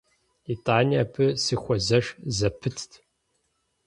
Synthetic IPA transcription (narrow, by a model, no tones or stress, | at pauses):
itʼaːniaːpʰɨsɨxʷɔzɐʂzɐpʰɨtʰtʰ